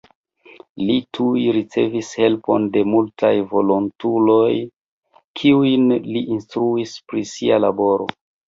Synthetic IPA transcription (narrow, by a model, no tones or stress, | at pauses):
litʰujɾit͡se̞̰vishe̞lpo̞̰nde̞multajvo̞lontulo̞j | kʰiujnliʔinstɾuispɾisialabo̞ɾo̞̰